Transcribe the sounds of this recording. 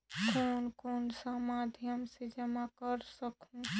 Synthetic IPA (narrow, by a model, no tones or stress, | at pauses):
kʰoːnkoːnsamad̪ʱjəmsed͡ʒəmakəɾsəkʰũ